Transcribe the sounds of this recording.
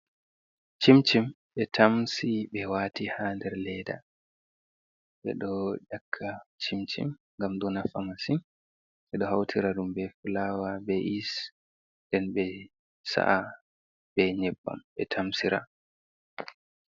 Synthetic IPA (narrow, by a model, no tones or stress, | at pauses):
t͡ʃimt͡ʃim | ɓɛtʰamsiɓɛwaːtihandɛɾlɛda̰ | ɓɛ̰ɗɔd͡ʒakʰːat͡ʃimt͡ʃḭmŋɡamɗɔnafamasin | ʔɛɗɔɦawtʰiɾaɗumbɛfulawabɛʔis | ndɛnbɛ | sa̰ʔa | bɛɲɛbːa̰mɓɛtʰamsiɾa̰